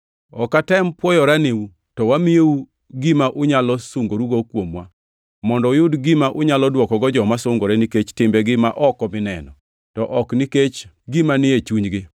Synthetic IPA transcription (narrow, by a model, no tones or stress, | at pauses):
ɔkatɛmpwɔjɔɾaneu | tɔwamieu | ɡimaʔʊɲalɔsʊŋɡoɾuɡokwomwa | mɔndɔʊjʊdɡimaʔʊɲalɔdwɔkɔɡɔd͡ʒɔmasʊŋɡoɾɛniket͡ʃtɪmbɛɡɪmaʔɔkɔmɪnɛnɔ | tɔʔɔkniket͡ʃ | ɡimanɪet͡ʃuɲɡɪ